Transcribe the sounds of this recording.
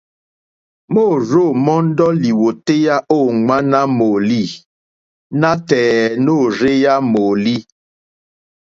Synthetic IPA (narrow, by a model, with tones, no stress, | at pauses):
mo˦˨ɾo˦˨mɔ˦n˦dɔ˦li˨wo˨te˦ja˦ʔo˦˨ŋa˦na˦mo˨li˦˨ | na˦tɛː˨no˦˨ɾe˦ja˦mo˨li˦